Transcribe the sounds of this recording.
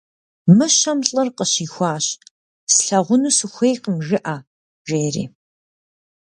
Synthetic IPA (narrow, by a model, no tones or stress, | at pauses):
mɨɕɐmɬʼɐrqəɕiːxʷɑːɕ | sɬɐʁʷʊnuːsɨxʷejqəmʒɨʔaː | ʒeːrḭː